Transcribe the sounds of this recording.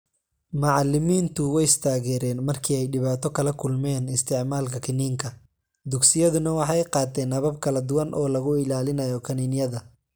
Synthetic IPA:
mɑʕɑlɪmiːnt̪ʰʊwɛjɪst̪ʰaːɣɛːɾɛːnmɐrkʰiːɛjɖɪβaːt̪ʰɔkʰɐlɐkʰʊlmɛːnɪst̪ʰɪʕmaːlkʰɐkʰɪniːŋkʰɐ | d̪ʊɡsɪjɐðʊnɐwɑħɑjqɑːt̪ʰɛːnːɐβɐb̚kʰɐlɐd̪ʊwɐnʔɔːlɐɣʊɪlaːlɪnɐjɔkʰɐninjɐðɐ

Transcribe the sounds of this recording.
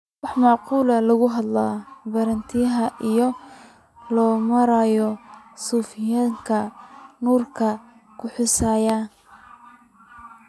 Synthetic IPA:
wɑħmɑʕquːlɐlɐɣʊɦɐd̪laːbɐɾɐnt̪ʰɪjɐɦɐʔijɔ | lɔːmɐɾaːjɔsuːfɪjaːŋkʰɐnuːrkʰɐ | kʰʊħʊsaːja

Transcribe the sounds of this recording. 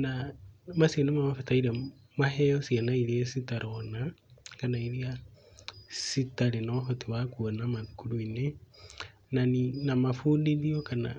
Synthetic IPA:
namasianemamafetaiɾa | maɦejosianaiɾiasitaɾʔonakanaiɾia | sitaɾenoɦotiwakuonamakuɾuine | naninamafuːndiliokana̰

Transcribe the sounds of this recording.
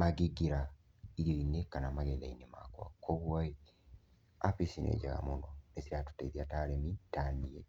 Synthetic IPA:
maɡiɡiɾa | iɾioinekanamaɣɛlainema̰kwa̰kʰoβwai | apisinɛ̰ɟaɣa̰monɔnesiɾatu̥tɛiðiataɾɛmitaniɛ̰

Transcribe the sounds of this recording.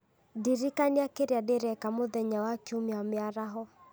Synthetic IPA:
diɾikaneakeɾeadeɾɛkamoðɛɲawakiomeamɪaɾaɦɔ

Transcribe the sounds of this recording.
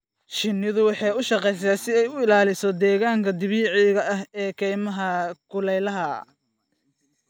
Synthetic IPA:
ʃɪnːɪðʊwɑħɑjʊʃɑqɛjs̬aːsɪɛjʊɪlaːlɪsɔd̪ɛːɣaːŋkʰɐd̪ɪβiːʕiɣɐʔɐhɛːkʰɛjmɐɦɐkʰʊlɛjlɐɦɐ

